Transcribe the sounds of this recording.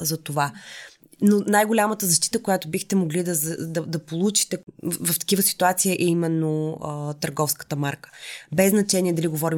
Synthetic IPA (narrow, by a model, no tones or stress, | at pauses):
zɐt̪ova | nonajɡolʲamət̪əzɐʃt̪i̥t̪əkojat̪obixt̪ɛmoɡlid̪ɐzd̪ɐd̪ɐpolˠut͡ʃi̥t̪ɛvɐft̪ɐ̥kivəsi̥t̪uat̪siəʔɛimɛnːoət̪əɾɡɔfskə̥t̪əmaɾkə̥bɛznɐt͡ʃɛnʲiɛd̪ɐliɡovɔɾi